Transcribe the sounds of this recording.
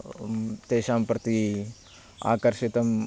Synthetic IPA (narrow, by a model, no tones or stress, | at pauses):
t̪eːʃaːmpɾɐt̪i | a̰ːkəɾʃit̪ɐm